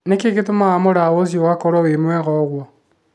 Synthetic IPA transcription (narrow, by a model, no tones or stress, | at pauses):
nekeketomaːmoɾawos̬jowakoɾwawemwɛɣɔɣwɔ